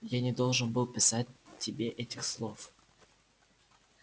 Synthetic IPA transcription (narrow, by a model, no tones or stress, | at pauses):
janʲɪd̪o̞lˠʐɨnbɨlˠpʲɪsatʲtʲːɪbʲeʔɛtʲɪxslˠo̞f